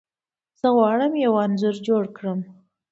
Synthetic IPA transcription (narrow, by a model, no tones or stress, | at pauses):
z̥əɣwɑɽəmjawɑnzʊɾd͡ʒoɽkɽəm